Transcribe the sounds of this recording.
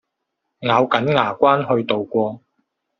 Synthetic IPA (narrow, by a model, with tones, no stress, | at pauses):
ŋaː˨˧wkɐ˨˥nŋaː˨˩kʷaː˥nɦɵ˧ɥt̪o˨wkʷɔː˧